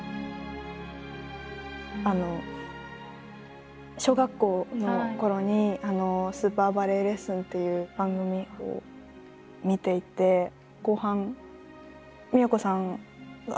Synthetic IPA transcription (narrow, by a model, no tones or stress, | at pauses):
ano̞ | ɕo̞ːɡakːo̞ːnoko̞ɾo̞ɲ̟iano̞sɨːpaːbaɾe̞ɾe̞sɨ̃nt̪e̞jɯ̟ːbãŋɡɯ̟mʲio̰ | mʲit̪e̞it̪e̞ | ko̞ːhãŋ | mʲioko̞sãŋa̰